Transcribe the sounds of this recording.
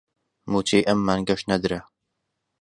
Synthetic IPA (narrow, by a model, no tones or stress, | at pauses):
mut͡ʃʰeːjʔɐmːaːnɡɐʃnɐd̪ɨɾɐ